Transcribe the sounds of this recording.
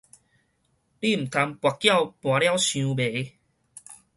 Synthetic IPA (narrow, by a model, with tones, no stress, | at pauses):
li˥˧˨m̩˨˩t̪ʰa˧mpwa˨˩kːja˥˧˨wpw̃ã˨˧˦lja˦wɕjũ˧be˨˦